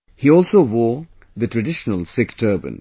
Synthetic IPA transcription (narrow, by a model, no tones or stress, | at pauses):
hiɔːlsoːʋɔː | d̪əʈɾəɖɪʃənəlˠsɪktʰəːbə̰̃n